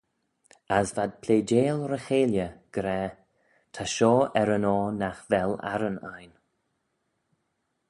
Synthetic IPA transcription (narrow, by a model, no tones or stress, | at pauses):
asvad̪̚pʰleːd͡ʒeːlɾəxeːljəɡ̥ɾɛː | t̪ʰaʃɔːɛɾənɔːnaxvɛla̰ɾəna̰jn